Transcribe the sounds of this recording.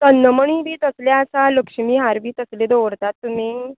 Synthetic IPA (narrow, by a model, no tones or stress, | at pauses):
t̪ənːəməɳ̃iːbʱiːt̪əsljaəsaləkʂmiːɦaɾbʱiːt̪əsled̪oʋɽt̪at̪ːum̤iː